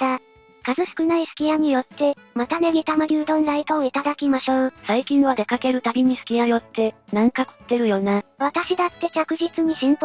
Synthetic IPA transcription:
t̪a | kazɨɕkɯ̟naisɨ̥kʲijaɲ̟ijo̞t̪ːe̞mat̪ane̞ɡʲit̪amaɾʲiːd̪õ̞nɾait̪o̞ːit̪ad̪akʲimaɕo̞ːsaikʲĩɰ̃βad̪e̞kake̞ɾɯ̟t̪abʲiɲ̟isɨ̥kʲijajo̞t̪ːe̞nãŋkako̥t̪ːe̞ɾɯ̟jo̞ːnaβat̪aɕid̪at̪ːe̞t͡ɕakɯ̟ʑit͡sɨɲ̟iɕĩmp

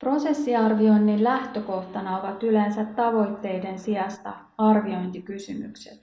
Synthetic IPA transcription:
pro̞se̞sːiɑrʋio̞jnːillæht̪øko̞ht̪ɑnɑo̞ʋɑt̪yle̞nsæt̪ːɑʋo̞jt̪ːe̞jde̞nsiɑst̪ɑ̰ | ɑrʋio̞jnt̪ikysymy̰kset̪

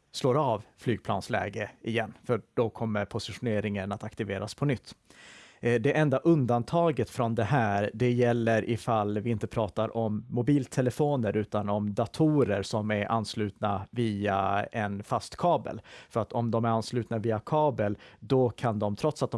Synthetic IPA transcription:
sloːɾavflyːɡ̚pʰlɑ̰ːnslɛ̰ːɡəɪjɛnːfœɖ̥ɔkʰɔmːəɾpʰʊsɪɧʊneːɾɪŋənat̪akt̪ɪveːɾa̰spʰɔnʏt̪ː | d̪ɛʔɛnd̪aʔɵnd̪ant̪ʰɑːɡət̪fɾɔnd̪ɛɦæːɾɖɛjɛlːəɾʔɪfalvɪɪnt̪əpʰɾɑːt̪aɾʔɔmːʊbiːlt̪ʰɛləfoːnəɾʔʉ̟ːt̪anɔmd̪at̪ʰuːɾəɾsɔmæɾʔa̰nːslʉ̟ːt̪naviːa̰ɛnfast̪kʰɑːbə̰lfœɾat̪ɔmd̪ɔmæɾanslʉ̟ːt̪naviːakʰɑːbəld̪ɔkʰand̪ɔmt̪ʰɾɔt̪sat̪̚d̪ɔ

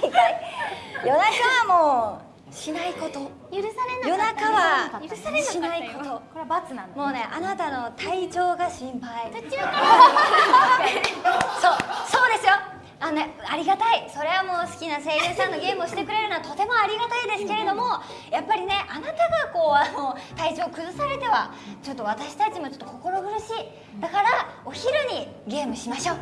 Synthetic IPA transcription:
a | jo̞nakaβamo̞ː | ɕinaiko̞t̪o | jɾɾenjo̞nakaβaeinaikot̪obat͡sɨnãmo̞ːne̞ʔanat̪ano̞t̪ait͡ɕo̞ːɡaɕĩmpai | soːso̞ːd̪e̞sɨjo̞ | aeaɾʲiɡat̪aiso̞ɾe̞βamo̞ːsɨ̥kʲinase̞ːɾjɯːsãnːo̞ɡʲe̞ːmɯoɕi̥t̪e̞kɯ̟ɾe̞ɾɯ̟noat̪o̞t̪e̞moaɾʲiɡat̪aid̪e̞sɨ̥ke̞ɾe̞d̪o̞mo̞ | japːaɾʲine̞ʔanat̪aɡako̞ːanoːt̪ait͡ɕo̞ːkɯ̟zɨsaɾe̞t̪e̞βa | t͡ɕo̞t̪ːo̞β̞at̪aɕi̥t̪at͡ɕimo̞t͡ɕo̞t̪ːokoko̞ɾo̞ɡɯ̟ɾɯ̟ɕiː | d̪̥akaɾao̞çiɾɯ̟ɲ̟i | ɡʲe̞ːmɯ̟ɕimaɕo̞ː

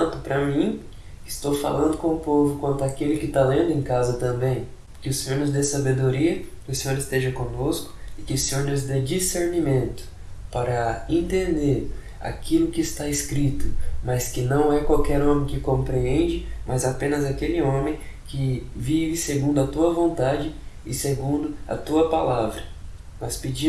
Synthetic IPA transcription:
ɐ̃t̪ʊpɾɐmĩ | ɪɪst̪owfa̰lɐ̃nd̪ʊkõʊpovʊkwɐ̃nt̪ʊakelɪkɪt̪alẽnd̪ʊẽj̃kazɐt̪ɐ̃mbẽj̃ | kɪʊsẽɲoɾnʊzd̪esabed̪oɾiɐkɪʊsẽɲoɾɪst̪eʒɐkõnoskʊ̥ɪkɪʊsẽɲoɾnʊzd̪ed͡ʒiseɾnimẽnt̪ʊ̥ | paɾɐẽnt̪ẽnd̪eɾ | a̰kilʊkɪːst̪aɪskɾit̪ʊmɐskɪnɐ̃w̃ɛkwawkɛɾõmẽj̃kɪkõpɾiẽnd͡ʒɪmazapẽnɐzakelɪõmẽj̃kɪvivɪseɡũnd̪ʊɐt̪uɐvõnt̪ad͡ʒɪɪseɡũnd̪ʊɐ̰t̪uɐpalavɾɐ | nɔspɪd͡ʒĩ

